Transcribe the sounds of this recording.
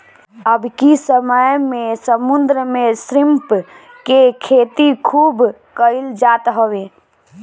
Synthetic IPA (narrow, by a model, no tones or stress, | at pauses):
əbkisəməjmesəmund̪ɾəmesɾimp | kekʰet̪ikʰuːb | kəɪld͡ʒat̪ɦəwe